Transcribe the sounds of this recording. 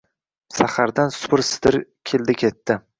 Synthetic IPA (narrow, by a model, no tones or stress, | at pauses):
saχaɾd̪ansʊ̥pʰɾsɪ̥d̪ɪɾkʲʰeld̪ɪkʲʰe̞t̪ːɪ